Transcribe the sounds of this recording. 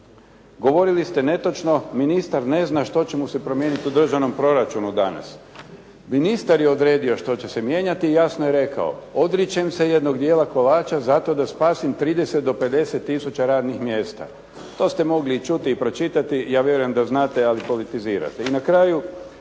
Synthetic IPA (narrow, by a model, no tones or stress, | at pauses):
ɡo̞ʋo̞ɾilist̪e̞ne̞t̪o̞t͡ʃno̞minist̪aɾne̞znaʃt̪o̞t͡ɕemusepɾo̞mje̞ːnit̪iud̪r̩ʒaʋno̞mpɾo̞ɾat͡ʃunud̪ana̰s | minist̪aɾjeod̪ɾe̞ːd̪io̞ʃt̪o̞t͡ɕe̞semje̞ːɲat̪ijasnojeɾe̞ka̰o̰o̞d̪ɾit͡ɕemse̞jed̪no̞ɡd̪jeːlako̞laːt͡ʃazat̪o̞d̪aspaːsimt̪ɾiːd̪eset̪̚d̪o̞pe̞d̪e̞set̪ːisut͡ɕaɾaːd̪nixmje̞ːst̪a̰ | t̪o̞ːst̪e̞mo̞ɡlit͡ʃut̪iːpɾo̞t͡ʃit̪at̪ijaːʋjeɾujemd̪aznaːt̪ealipo̞lit̪iziːɾa̰t̪einakɾaːju